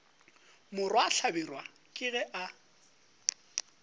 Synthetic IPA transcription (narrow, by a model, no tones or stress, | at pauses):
mʊrwaɬʰabirwa | kʼɪɣɛʔa